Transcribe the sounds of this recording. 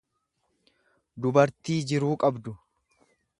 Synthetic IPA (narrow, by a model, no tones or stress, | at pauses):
d̪ʊbɐɾt̪iːd͡ʒɪɾuːkʼɐbd̪ʊ